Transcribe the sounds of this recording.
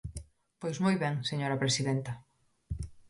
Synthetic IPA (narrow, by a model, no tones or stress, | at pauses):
pojzmojβɛŋseɲoɾɐpɾesiðɛnt̪ɐ